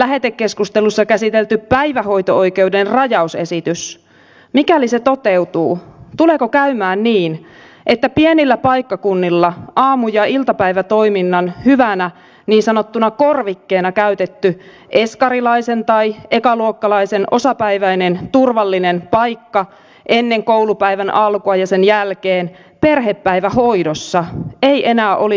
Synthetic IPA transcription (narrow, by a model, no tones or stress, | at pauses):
læɦe̞t̪e̞kːe̞skust̪e̞lusːɑkæsit̪elt̪ypæjʋæɦo̞jt̪o̞o̞jke̞udenrɑjɑuse̞sit̪ys | mikælise̞t̪o̞t̪e̞wt̪uːt̪ule̞ːkokæymæːnniːn | ʔe̞t̪ːæpienilːæpɑjkːɑkunːilːɑʔɑːmujɑilt̪ɑpæjʋæt̪o̞iminːɑnhyʋænæ | niːnsɑnot̪ːunɑkorʋikːeːnɑkæyt̪et̪ːy | ʔe̞skɑɾilɑisent̪ɑiekɑluokːɑlɑisenʔo̞sɑpæiʋæinent̪urʋɑlːinenpɑjkːɑ | ʔenːeŋkoulupæijʋænʔɑlkoɑjɑsenjælkeːn | perɦepːæiʋæhoidosːɑeiʔenæːʔoli